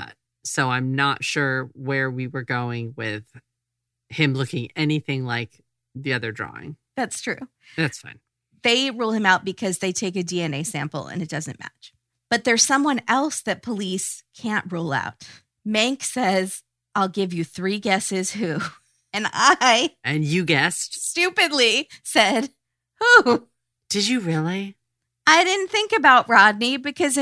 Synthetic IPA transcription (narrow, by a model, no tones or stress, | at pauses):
soʊãɪ̃mnətʃʊɹwə˞wiwə˞ɡoʊɪ̃ŋwɪð̥ | hɪ̃mlʊkɪ̃ŋɛniθɪ̃ŋlaɪk̚ | ðiʌðə˞dɹɔ̰ɪ̰̃ŋ | ðætstʰɹ̥ʉ | ðætsfã̰ɪ̃n | ðeɪɹulˠɨ̃maʊt̚b̥ɨkʰʌzðeɪtʰeɪkɨdiɛ̃neɪsæ̃mpl̩ˠə̰̃nɨt̚d̥ʌzɨ̃nmæ̰t͡ʃ | b̥ʌt̪̚ðə˞z̥sʌ̃mwʌ̃nɛlˠsðɨt̚pʰəliskʰæ̃nʔɹoʊlˠa̰ʊt̚ | mæ̃ŋksɛz | ʔaɪlˠɡɪvjɨθɹiɡɛsɪz̥hʉ | ɨ̃na̰ɪʔɨ̃njɨɡɛsstʉpɨdˡlisɛd̥ | hu | d̥ɨd͡ʒɨɹɪlˠi | ʔaɪɾɪdⁿn̩θɪ̃ŋkɨbaʊt̚ɹɑdⁿnibɨkʰʌz